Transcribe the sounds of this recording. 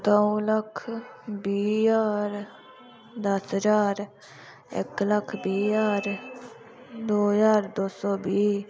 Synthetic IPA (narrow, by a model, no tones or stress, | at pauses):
t̪oləkʰbiːjaːɾ | d̪əsɦəd͡ʒaːɾ | ɪ̰kləkʰbiːjaːɾ | d̪oːɦzaːɾd̪oːsɔːbiː